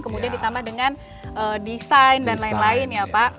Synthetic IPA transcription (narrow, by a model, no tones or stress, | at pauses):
kəmudiandit̪ambahdəŋan | ʔədisajndanlaɪnlaɪnjapaʔ